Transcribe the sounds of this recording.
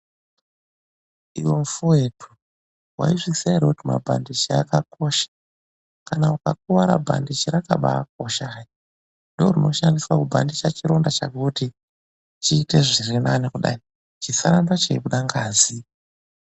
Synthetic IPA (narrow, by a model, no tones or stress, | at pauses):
iwo̞mfuwe̞tʰu | wa̰iʐisaiɾakutima̰bʱa̰ndit͡ʃiakako̞ʃḁ | kanaukak̚uʋaɾa̰bʱa̰ndit͡ʃiɾaka̰ɓa̰k̚oʃai | ndorino̞ʃandiswakubʱandit͡ʃat͡ʃiɾo̞ndat͡ʃakuti | t͡ʃiːte̞ʐirinanikuɗa̰i | t͡ʃisaɾandat͡ʃeiɓuɗaŋɡaːzi